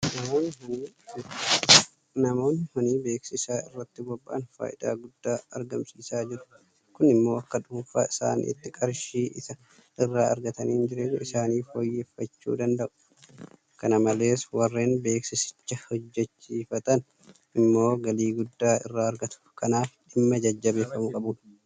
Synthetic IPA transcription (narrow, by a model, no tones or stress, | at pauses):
nɐmoːnːɪhɔniː | nɐmo̞ːnːɪhɔniːbe̞ːksɪsaːɪrːɐt̪ːɪbɔbːaʔɐnfa̰ːʔɪd̪a̰ːɡʊd̪ːaːɐ̰ɾɡɐmsiːsaːd͡ʒɪɾʊ̥ | kʊnɪmːo̞ːɐkːɐᶑ̪ʊmɱfa̰ːɪsa̰ːnḭːɪt̪ːɪkʼɐɾʃiːʔɪsɐ | ɪrːaːɐɾɡɐt̪ɐniːnd͡ʒɪɾeːdɪsaːniːfoːjːe̞ːfːɐt͡ʃːṵːd̪ɐnd̪ɐʔʊ̥ | kɐnɐmɐle̞ːswɐrːe̞ːnbe̞ːksɪsɪ̥t͡ʃːɐhɔd͡ʒːɛt͡ʃːiːfɐt̪ɐn | ɪmːo̞ːɡɐliːɡʊd̪ːaːɪ̰rːaːɐɾɡɐt̪ʊ̥kɐnaːfᶑɪmːɐd͡ʒɐd͡ʒːɐbe̞ːfːɐmʊkʼɐbuːᶑɐ̥